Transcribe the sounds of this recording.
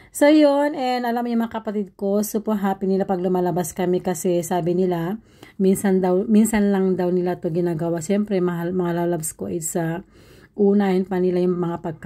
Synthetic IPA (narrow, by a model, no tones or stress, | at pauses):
sojonɛnɐlamːojʊŋmɐŋakɐpɐt̪id̪̚ko̞sopoɦaːpɪnɪlapɐɡlʊmaːlɐbaskɐmɛkɐsɛsaːbɪnɪla | minsɐnd̪ɐwminsɐnlɐŋd̪awnɪlat̪oɡɪnaːɡɐwaʃɛmpɾɛmɐmɐŋalalabsko̞̰ʔɛsɐ | ʔuːnahɛnpɐnɪlajʊŋmɐŋapɐɡ̚k